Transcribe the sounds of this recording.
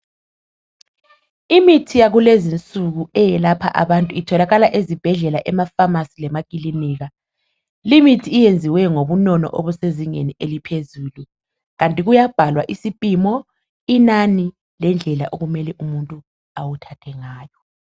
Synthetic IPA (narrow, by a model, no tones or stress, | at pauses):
imitʰijaɣulezint͡sʼuɣuɛjɛlapʰa̰ʔaβantʼuitʰɔlaɣalaʔezib̥ʱɛɮɛlaʔɛmafamasilɛmakʼiliniːɣa | limitʰiːjend͡zʱiwɛŋoβunɔnɔ̰ʔoβuseziŋḛniʔelipʰezuːlu | ɣantʼiɣujab̥ʱalwaʔisipʼimɔ | inani | lɛnd͡ɮʱɛla̰ʔoɣumɛlɛʔumuntʼu | awutʰatʰɛŋaːjɔ